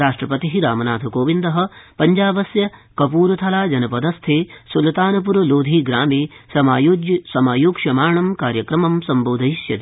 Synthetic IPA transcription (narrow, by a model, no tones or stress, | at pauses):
ɾaːʂʈɾɐpɐt̪iɦiɾaːmɐnaːt̪ʰɐkoːʋind̪ɐɦɐ̆pɐɲd͡ʒaːbɐsjɐkɐpuːɾɐt̪ʰɐlaːd͡ʒɐnɐpɐd̪ɐst̪ʰeːsulɐt̪aːnɐp̬uɾɐloːd̪ʱiːɡɾaːmeːsɐmaːjoːd͡ʒjsɐmaːjoːkʃɐmaːɾɳɐmkaːɾjɐkɾɐmɐmsɐmboːd̪ʱɐisjɐ̰d̪